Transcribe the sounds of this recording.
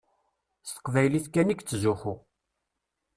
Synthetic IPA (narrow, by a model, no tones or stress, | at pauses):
st̪ə̥qvæjliθkænikt͡sːzuxu